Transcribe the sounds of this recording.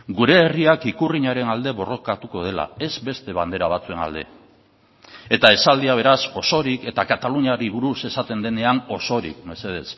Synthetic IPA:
ɡuɾe̞ːriakikuriɲaɾe̞nald̪e̞βo̞ro̞kat̪uko̞ð̞e̞la̰e̞zbe̞st̪e̞βand̪e̞ɾaβ̞at͡sue̞na̰ld̪e̞̰ | et̪ae̞sald̪iaβ̞e̞ɾaso̞so̞ɾike̞t̪akat̪aluɲaɾiβuɾuse̞sat̪e̞nd̪e̞ne̞ano̞so̞ɾḭkme̞se̞ð̞e̞̰s

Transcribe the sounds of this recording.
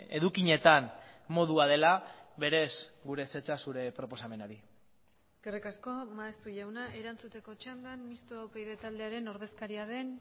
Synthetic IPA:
e̞ðukiɲe̞t̪anmo̞ðuað̞e̞laβe̞ɾe̞sɡuɾe̞se̞t͡ʃasuɾe̞pɾo̞po̞same̞naɾi | eske̞rikasko̞maest̪uʝawnaʔe̞ɾant͡sut̪e̞ko̞t͡ʃand̪anmist̪oawpejðe̞t̪ald̪eaɾe̞no̞ɾðe̞skaɾiaðe̞n

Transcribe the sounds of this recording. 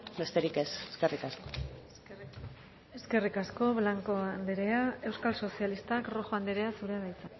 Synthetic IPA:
be̞st̪eɾikeseskerikasko̥ | e̞ske̞rikasko̞βlaŋko̞and̪eɾeae̞wskalso̞sialist̪akro̞xoand̪eɾe̞asuɾeaβajt͡sa

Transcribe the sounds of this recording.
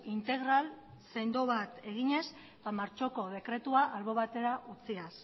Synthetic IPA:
int̪e̞ɣ̞ɾalse̞nd̪o̞βat̪e̞ɣ̞iɲe̞s | bamaɾt͡ʃo̞ko̞ð̞e̞kɾe̞t̪uaʔalβo̞β̞at̪e̞ɾaʔut͡sias

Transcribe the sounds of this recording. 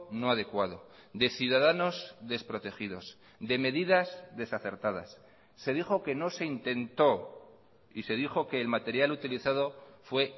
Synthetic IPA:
no̞aðe̞kwað̞o̞d̪e̞θjuðaðano̞zðe̞spɾo̞t̪e̞xiðo̞s | d̪e̞me̞ðiðazðe̞saθe̞ɾt̪að̞a̰sː | e̞ðixo̞ke̞no̞se̞int̪e̞nt̪o̞ | ise̞ðixo̞ke̞ːlmat̪e̞ɾjalut̪iliθað̞o̞fwe̞

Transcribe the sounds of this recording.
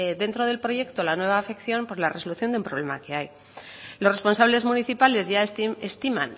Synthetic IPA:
ðe̞nt̪ɾo̞ð̞e̞lpɾo̞ʝe̞kt̪o̞lanwe̞β̞aːfe̞kθjo̞mpo̞zlare̞so̞luθjo̞nd̪umpɾole̞make̞aj | lorespo̞nsaβle̞zmuniθipale̞zʝaest̪imã̰n

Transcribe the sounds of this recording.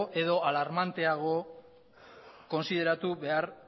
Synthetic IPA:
ʔe̞ðo̞ʔalaɾmant̪e̞aɣ̞o̞ | ko̞nsið̞e̞ɾat̪uβe̞aɾ

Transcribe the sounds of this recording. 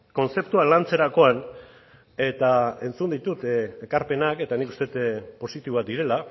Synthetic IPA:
ko̞nse̞p̚t̪ualant͡se̞ɾako̞an | e̞t̪ae̞nt͡sund̪it̪ut̪e̞kaɾpe̞nake̞t̪anikust̪e̞t̪po̞sit̪iβoat̪d̪iɾe̞la

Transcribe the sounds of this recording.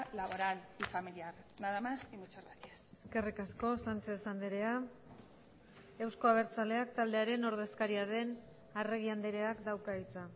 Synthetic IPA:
laβoɾalifamiliaɾnaðamasimut͡seɾɣat̪ieseske̞rikasko̞sant͡ʃe̞sand̪eɾe̞a | e̞wsko̞aβ̞e̞ɾt͡sale̞akt̪ald̪e̞aɾe̞no̞ɾð̞e̞skaɾiaðe̞n | are̞ɣ̞iand̪eɾe̞akd̪awkait͡sa

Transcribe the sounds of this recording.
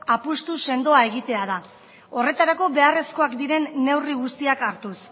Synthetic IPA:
apust̪use̞nd̪o̞ae̞ɣit̪e̞að̞a | o̞re̞t̪aɾako̞βe̞are̞sko̞akd̪iɾe̞nːe̞wriɣust̪iakaɾt̪us

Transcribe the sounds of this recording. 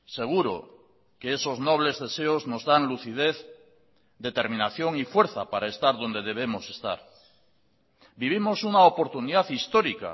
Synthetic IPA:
se̞ɣ̞uɾo̰ | ke̞eso̞zno̞β̞le̞zðe̞se̞ozno̞zðanluθið̞e̞θ | d̪e̞t̪e̞ɾmĩnaθjo̞ŋifwe̞ɾθapaɾae̞st̪aɾðo̞nd̪e̞ð̞e̞βe̞mo̞se̞st̪a̰ɾ | biβ̞imo̞sunaopo̞ɾt̪uniðaθist̪oɾika̰

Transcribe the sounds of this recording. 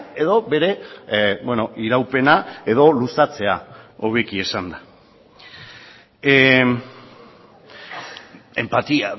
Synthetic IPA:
e̞ðo̞βe̞ɾe̞bweno̞ʔiɾawpe̞nae̞ðo̞lusat͡se̞aoβekie̞sand̪a | e̞mpat̪ia

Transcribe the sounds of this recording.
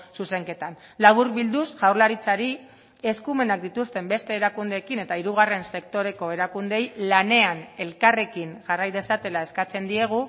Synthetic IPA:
suse̞ŋke̞t̪an | laβuɾβild̪usʝawɾlaɾit͡saɾi | e̞skume̞nak̚d̪it̪ust̪e̞mbe̞st̪e̞ːɾakund̪e̞ːkine̞t̪aiɾuɣ̞are̞nse̞kt̪o̞ɾe̞ko̞e̞ɾakund̪e̞jlane̞ane̞lkare̞kiŋʝarajðe̞sat̪e̞lae̞skat͡se̞nd̪ie̞ɣ̞u

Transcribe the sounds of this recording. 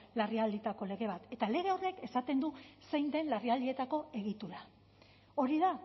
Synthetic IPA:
lariald̪it̪ako̞le̞ɣe̞β̞at̪e̞t̪ale̞ɣ̞e̞ore̞ke̞sat̪e̞nd̪use̞jnd̪e̞nlariald̪ie̞t̪ako̞e̞ɣ̞it̪uɾa | o̞ɾiða

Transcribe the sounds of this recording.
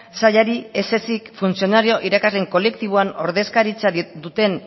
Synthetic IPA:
saʎaɾie̞se̞sikfunsio̞naɾio̞ʔiɾakazle̞ŋko̞le̞kt̪iβ̞oano̞̰ɾðe̞skaɾit͡sad̪ut̪e̞n

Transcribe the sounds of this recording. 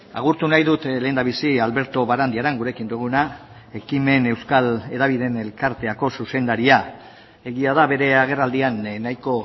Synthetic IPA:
a̰ɣ̞uɾt̪unajðut̪le̞ːnd̪aβ̞isialβe̞ɾt̪o̞βaɾand̪iaɾeŋɡuɾe̞kind̪uɣ̞una | e̞kime̞ne̞wskale̞ðaβ̞iðe̞ne̞lkaɾt̪e̞ako̞suse̞nd̪aɾia | e̞ɣiað̞aβe̞ɾe̞aɣ̞e̞rald̪ianːajko̞

